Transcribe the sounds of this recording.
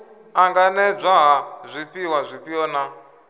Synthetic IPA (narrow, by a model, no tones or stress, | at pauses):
aŋɡanɛb͡ʐʷaɦazʷipiwazʷipiɔna